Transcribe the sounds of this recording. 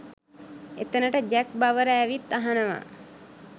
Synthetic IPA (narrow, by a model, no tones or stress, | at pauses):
ḛt̪ənəʈəd͡ʒæk̚baʋəɾəæʋit̪ːaɦanəʋa̰